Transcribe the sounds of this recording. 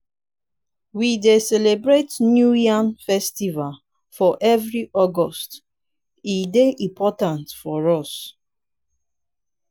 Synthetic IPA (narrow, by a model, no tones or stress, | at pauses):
widesɛlebɹetnjujãnfɛstival | fɔʔɛvɹiʔɔɡɔst | ideʔĩpʰɔtãntfɔɹɔs